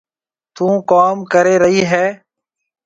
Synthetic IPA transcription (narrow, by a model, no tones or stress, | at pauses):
t̪ũːkaːmkəɾeːɾəɦiːɦɛː